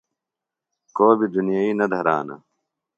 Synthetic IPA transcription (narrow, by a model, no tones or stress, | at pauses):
koːbid̪unijaːiːnɐd̪ʱɐɾaːnɐ̰